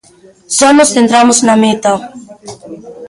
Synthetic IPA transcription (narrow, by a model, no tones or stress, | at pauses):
sanosθent̪ɾamʊznamet̪a